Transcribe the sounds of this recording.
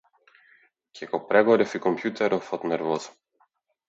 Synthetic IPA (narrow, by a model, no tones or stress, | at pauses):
kʰʲɛkɔpɾɛɡɔɾɛfikɔmpjut̪ɛɾɔfɔt̪nɛɾvɔzɔ̥